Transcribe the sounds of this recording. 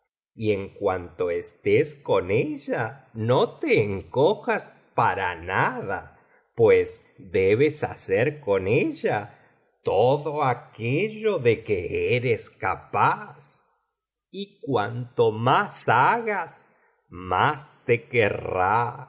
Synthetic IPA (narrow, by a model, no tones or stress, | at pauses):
ieŋkwant̪o̞est̪eskoneʎano̞t̪e̞ːŋkoxas | paɾanaða | pwes | d̪eβesa̰seɾko̞neʎa | t̪oðoakeʎo̞ðe̞keeɾeska̰pas | ikwant̪omasaɣas | mast̪ekera